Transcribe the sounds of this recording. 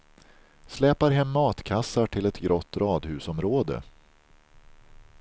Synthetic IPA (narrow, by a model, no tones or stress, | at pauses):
slɛːpaɾɦɛmːɑːt̪kʰasːaʈʰɪlɛt̪ɡɾʔɔt̪ːɾɑːd̪hʉ̟ːsɔmɾoːd̪ə̰